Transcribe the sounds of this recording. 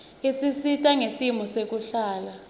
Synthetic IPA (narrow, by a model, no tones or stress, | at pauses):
esisitʼaŋesimusek̬ʼuɬaːla